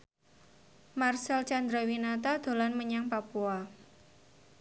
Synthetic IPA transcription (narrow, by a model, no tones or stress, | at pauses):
marsalt͡ʃand̪ɾɔwinat̪ad̪̥o̤lanməɲaŋpapua